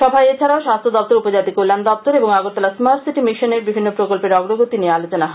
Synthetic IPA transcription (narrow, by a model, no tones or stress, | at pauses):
ʃɔbʱajet͡ɕʰaɾaoʃast̪ʰod̪ɔp̚t̪oɾupod͡ʑat̪ikolːand̪ɔp̚t̪oɾeboŋaɡoɾt̪alasmaɾʈsiʈimiʃoneɾbibʱinːopɾokolpeɾɔɡɾoɡot̪iniealot͡ɕonaɦ